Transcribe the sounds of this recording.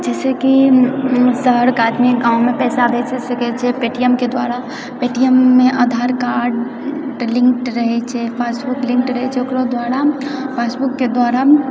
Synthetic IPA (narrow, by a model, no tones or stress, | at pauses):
d͡ʒɛːseki | səɦɾkaːd̪miɡãːwmẽpɛːsad̪et͡ʃʰesɐkɛt͡ʃʰɛpeːʈijəmked̪waːɾa | peːʈijəmːẽʔaːd̪ʱaːɾkaːɾɖ | lɪ̃ŋkʈɾəɦɛt͡ʃʰepʰaːsbʊklɪ̃ŋkʈɾəɦɛt͡ʃʰeokɾod̪waːɾapʰaːsbukːed̪waːɾa